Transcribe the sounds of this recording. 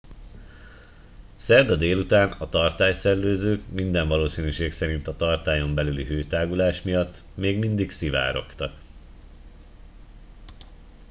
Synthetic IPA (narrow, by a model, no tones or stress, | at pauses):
sɛrd̪ɒd̪eːlut̪aːnɒt̪ɒrt̪aːjsɛrløːzøːkmind̪ɛɱvɒloːsinyʃeːksɛɾint̪ɒt̪ɒrt̪aːjo̞mbɛlyliɦøːt̪aːɡulaːʃmijɒt̪ːmeːɡmind̪iksiva̰ːɾo̞̰kt̪ɒk